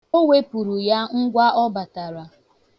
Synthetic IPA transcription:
o˦wʷe˦pu˨ɾu˨ja˦ŋ̩˦ɡʷa˦ʔɔ˦ba˨ta˨ɾa˨

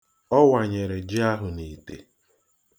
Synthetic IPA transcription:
ɔ˦wa˨ɲe˨ɾe˨d͡ʒi˦a˦ɦʊ˨ni˨tḛ˨

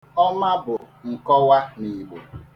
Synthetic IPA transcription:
ɔ˦ma˦bʊ˨ | ŋ̩˨kɔ˦wa˦ni˨ɡ͡bo˨

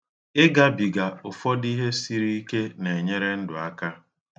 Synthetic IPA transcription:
ɪ˦ɡa˦bi˨ɡa˨ʊ˨fɔ˦di˦ɦe˦si˦ɾi˦i˦ke˦ne˨e˨ɲe˦ɾe˦n̩˦dʊ˨a˦ka˦

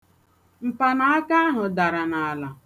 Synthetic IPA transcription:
m̩˨pa˨na˨a˦ka˦a˦ɦʊ˨da˨ɾa˨na˨a˨la˨

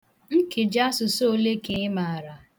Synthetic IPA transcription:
ŋ̩˦ke˨d͡ʒa˦sʊ˨so˦o˦le˦ke˨ɪ˦ma˨a˨ɾa˨

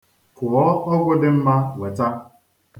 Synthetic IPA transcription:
kʊ˨ɔ˦ɔ˦ɡʷɔ˦dɪ˦m̩˦ma˦we˨ta˦

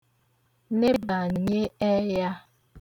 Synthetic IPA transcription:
ne˦ba˨ɲe˦ɛ˦ja˦

